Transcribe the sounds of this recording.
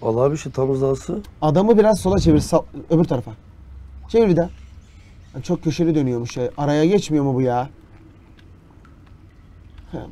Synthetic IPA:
a̰lˠabiʃit̪ʰamɯzlˠasɯad̪amɯbiɾazso̞lˠat͡ʃʰeviɾsaøbyɾt̪ʰaɾafa | t͡ʃʰeiɾbid̪a | hant͡ʃʰo̞k̚cʰːø̞ʃelʲid̪ø̞nyjo̞muʃajaɾajaɟɛt͡ʃmijo̞mubujaː | hɛ̰

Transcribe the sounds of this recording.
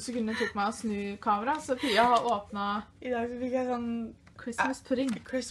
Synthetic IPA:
səkʉnd̪ət̪ʊkːmæɪɔsnʉːkʰɑːməɾɑsɔfyæhɑʔoːpnɑɪd̪ɑːɡsɔfɪkjæɪsɔnː | kʰɹɪsməspʰʉɾɪŋkʰɪs

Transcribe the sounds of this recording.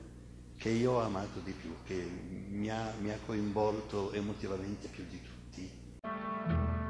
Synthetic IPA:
k̟eioɔamaːt̪od̪ipjuk̟ːemiamiakʰːoiɱvɔlt̪oemot̪ivament̪epjud̪it̪ʰu̥t̪ʰːi

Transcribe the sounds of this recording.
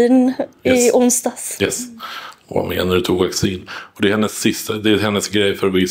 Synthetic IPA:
nɪʊnsd̪ɑːsjɛsɔva̰mḛːnaɾɛt̪ʰuːvaksiːnɔd̪ɛhɛnːəsːɪst̪ad̪ɛæɾɦɛnːəsɡɾɛjfœɾvɪ

